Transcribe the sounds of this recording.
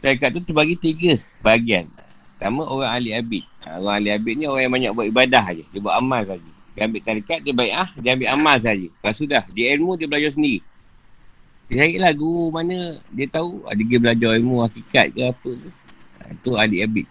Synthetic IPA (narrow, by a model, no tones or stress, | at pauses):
t̪aɾik̬at̪̚ːut̪əbaɡit̪iɡəbaɡianə | t̪amə̃ʔoɣaŋaliabɪt̪̚ə̰oɣaŋaliabit̪̚nĩoɣaŋjaŋmbaɲa̰ʔbuat̪̚ibadaɦd͡ʒədiəbuaʔamalsad͡ʒəɡiambɪʔt̪aɾikat̪̚diəbaiʔahdiambɪt̪amals̬aad͡ʒəbasudahdiɛnmudiəbəlad͡ʒɔrs̬əndiɣi | t̪isaiʔlahɡuumanədiət̪aua̰diɡəbəlad͡ʒɔrɛmũhakika̰t̪̚kəapəkuə̰t̪ualiʔabit̪̚